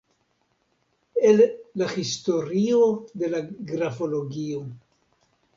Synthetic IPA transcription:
elːahisto̞ɾiode̞laɡɾafo̞lo̞ɡio̞

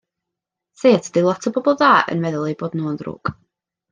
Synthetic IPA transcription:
θeːtʰd̥ɪlˠɔtʰɔbɔbɔlˠðaːʔə̰nmɛðʊlˠeboːdnuːndrṵːk

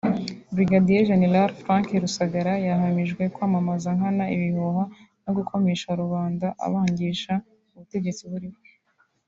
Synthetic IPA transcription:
bɾiɡadijeʒe̞ne̞ɾalfɾãŋkiɾusaɡaɾajaɦamiʒɡwe̞kwaːmamazaŋhanaiβihoha | no̞ɡukʰo̞me̞ːʃaɾuβaːndaʔa̰βaːɲɟiːʃa | uβute̞ɟe̞t͡siβuɾiβwe

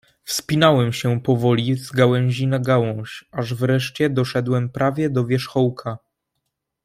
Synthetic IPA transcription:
fspʲinawɛmɕɛpɔvɔlʲizɡawɛ̃w̃ʑinaɡawɔ̃w̃ɕaʐvɾɛʂt͡ɕɛd̪ɔʂɛd̪wɛmpɾavʲjɛd̪ɔvʲjɛʂxɔwkʰa

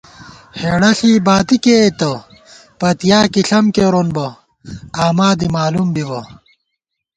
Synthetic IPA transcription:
heːɽɐɬiːbaːt̪ikeːt̪ɐ | pɐt̪ijaːkiɬɐmkeɾonbɐ | aːmaːd̪imaːlumbibɐ

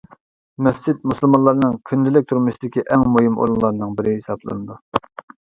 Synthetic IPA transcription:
mɛft͡ʃit̪̚musɨlˠmɑlˠɑɾnɨŋkʲʰynlɪlɪk̚ʲt̪ʰuɾmɨsɪd̪ɪkʲiʔɛŋmuɦimʔo̰ɾunlˠɑɾɨnɨŋbɪɾɪɦesɑblˠɨ̰nɨd̪u

